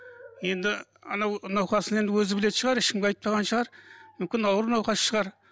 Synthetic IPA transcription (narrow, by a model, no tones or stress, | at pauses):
je̞nd̪ɪɑnɑwnɑwqɑsəne̞nd̪ɪwɵzɪbɪle̞t̪ʃəʁɑɾɪʃkʲɪmɡʲeɑjt̪̚pɑʁɑnʃəʁɑɾmʏmkʲɪnɑwɾnɑwqɑsʃəʁɑɾ